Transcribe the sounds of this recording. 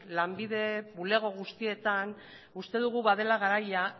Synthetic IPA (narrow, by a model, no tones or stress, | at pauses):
lambiðe̞βule̞ɣ̞o̞ɣ̞ust̪ie̞t̪an | ust̪e̞ðuɣ̞uβaðe̞laɣ̞aɾaja